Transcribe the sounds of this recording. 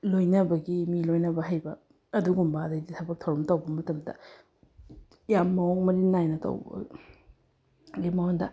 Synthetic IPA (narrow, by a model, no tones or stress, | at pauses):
lojnɐbɐɡimilojnɐbɐɦajbɐː | duɡumbɐːdɐjditʰɐbɐk̚tʰɐwɾɐmtɐwbɐmɐtɐmdɐ̰ | jamːɐoŋmɐɾinajnɐtɐ̰wbɐ̰ | ɡemawondɐ̰